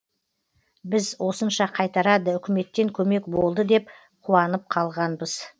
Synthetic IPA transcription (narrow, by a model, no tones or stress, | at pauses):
bɪzwo̞sənʃɑqʰɑjt̪ɑɾɑd̪əʏkʲɪme̞t̪ːe̞ŋkʲʰɵme̞kbo̞lˠd̪əd̪e̞p̚ | qʰuɑnəp̚qʰɑlˠʁɑnbəz